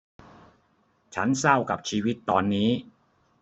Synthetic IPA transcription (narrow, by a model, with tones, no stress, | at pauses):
t͡ɕʰa˦˥nsa˥˩wka˨˩p̚t͡ɕʰiː˦˥wi˦˥t̪ːɔː˧nːiː˦˥